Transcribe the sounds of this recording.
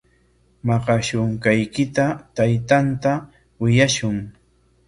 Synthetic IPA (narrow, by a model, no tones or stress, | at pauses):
mɑqɑʃʊŋkajkɪt̪at̪ajt̪ant̪a | wɪjaʃʊŋ